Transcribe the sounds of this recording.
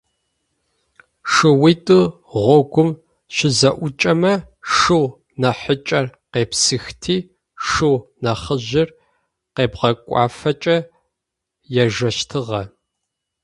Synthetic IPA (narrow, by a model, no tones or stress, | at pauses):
ʂɨwiːtʼɨ | ʁʷɔɡʷʊm | ʃɪzɐʔʷʊt͡ʃʼɐmɐʂɨw | nɐħət͡ʃʼɐrqeːpsɨxtʰiː | ʂɨwnɐχəʒʑɪr | qeːbʁɐkʷʼɑ̰ːfɐt͡ʃʼɐ | jɛʒɐʃtʰɨʁɐ